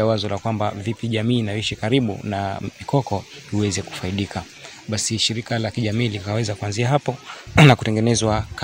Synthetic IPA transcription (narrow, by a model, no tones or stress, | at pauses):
awazɔlakwambavipiʄamiːnaiʃikaɾiɓṵnamikʰɔkɔiwɛzɛku̥faiɗikʰa | ɓasiʃiɾikalakiʄamiːlikawɛzakuanziaɦapɔnakutɛŋɡɛnɛzwak